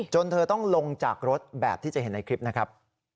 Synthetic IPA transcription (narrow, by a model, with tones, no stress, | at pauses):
t͡ɕo˧nt̪ʰɤː˧t̪ɔ˥˩ŋlo˧ŋt͡ɕa̰ː˨˩k̚ɾo˦˥t̪̚bɛ̰ː˨˩p̪̚ʰiː˥˩t͡ɕa˨˩ɦe˩˦nːa˧jkʰɾi˦˥p̚na˦˥kʰɾa˦˥p̚